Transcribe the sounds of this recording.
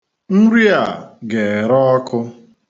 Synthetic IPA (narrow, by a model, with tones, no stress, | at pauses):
n̩˦ɾi˦a˨ɡe˨ɾɔ˦ɔ˦kʊ˦